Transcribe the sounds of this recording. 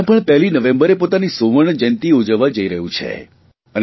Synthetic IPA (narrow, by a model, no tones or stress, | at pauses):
pəɳpɛɦlinəʋẽmbəɾepot̪anisoʋəɳd͡ʒə̃nt̪iod͡ʒəʋːad͡ʒəiɾəɦũt͡ʃʰḛ | ən